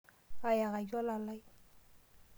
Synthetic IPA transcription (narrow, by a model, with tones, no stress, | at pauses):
ka˨ja˨ɣa˨d͡ʒɔ˦la˨la˦j